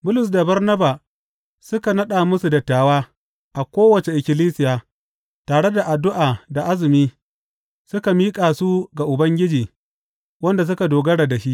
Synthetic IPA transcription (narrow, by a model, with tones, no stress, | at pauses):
bʊ˦lʊ˨s̬da˨bɐ˦rnɐ˦baː˨ | sʊ˦ka˨nɐ˦ɗaː˨mʊ˦su˨dɐ˨tːaː˨waː˦ | ʔa˨kʷoː˦wɐ˨t͡ʃe˨ʔɪ˨kʲɪ˨liː˦sɪ˦jaː˨ | taː˨ɽe˦da˨ʔa˨dʊ˦ʔaː˨da˨ʔa˦zɪ˨miː˦ | sʊ˦ka˨miː˦kʼaː˨su˦ɡa˨ʔʊ˨bɐ˦ŋɡʲɪ˦d͡ʒiː˨ | wɐ˦nda˨s̬ʊ˦ka˨doː˨ɡɐ˦ɽa˨da˨ʃi˦ʔ